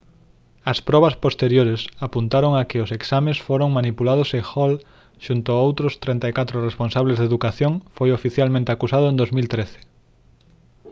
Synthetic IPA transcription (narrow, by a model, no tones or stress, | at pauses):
ɐspɾɔβɐspost̪eɾjoɾesapunt̪aɾoŋakɪoseksamesfoɾoŋmanipulaðʊsexɔl | ʃunt̪ʊaowt̪ɾʊst̪ɾẽnt̪aikat̪ɾoresponsaβlezðeðukaθjoŋfojofiθjalmẽnt̪eakusað̞oẽnd̪ozmilt̪ɾeθe̥